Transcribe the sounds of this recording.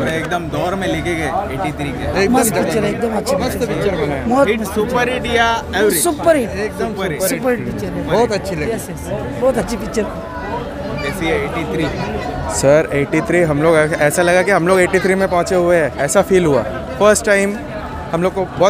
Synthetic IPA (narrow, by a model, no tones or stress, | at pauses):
eːk̚d̪əmd̪ɔːɾmẽlekeɡɐeeːʈit̪ʰɾiːkeeːkbɔikt͡ʃːəɾeeːk̚d̪əmɐtːʃʰipit͡ʃəɾɐnbɔːt̪supəɾeɖijaɛʋɾisʊpəɾieːk̚d̪məɾɾʊpəɾit͡ʃəɾbɔːt̪ɐtːʃʰilɡjɛsɛs | bɔːt̪ɐtːʃʰifikt͡ʃəɾ | ɛːsiɛeːʈit̪ʰɾiːsəɾeːʈit̪ʰɾiːɦɐmloːɡɛːsalɐɡakiɦɐmloːɡeːʈit̪ʰɾimẽpɔ̃ɦʊ̃t͡ʃeɦueɦɛːɛːsafiːlɦua̰ː | fəɾsʈːaɪm | hɐmloːɡ̚kobɔː